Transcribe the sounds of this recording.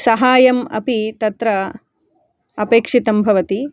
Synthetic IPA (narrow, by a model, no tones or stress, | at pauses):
sɐɦaːjɐmɐ̰pit̪ɐt̪ɾɐ | ɐpeːkʂit̪ɐmbʱɐʋɐt̪i